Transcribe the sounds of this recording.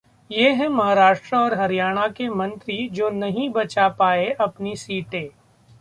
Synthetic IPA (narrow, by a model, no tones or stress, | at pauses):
jeɦɛ̃mɐɦaːɾaːʃʈɾəɔːɾɦɐɾijaːɽ̃akemɐ̃nt̪ɾid͡ʒoːnɐɦĩbɐt͡ʃapaːeʔɐpnisiːʈeː